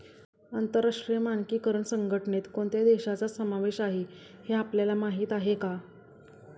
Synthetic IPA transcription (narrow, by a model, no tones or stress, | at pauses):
ənt̪əɾaʂʈɾijəmankiːkəɾəɳsəŋɡʱəʈnet̪koɳt̪ʰjad̪eɕat͡sasəmaʋeɕaɦe | heapljalamaɦiːt̪aɦeka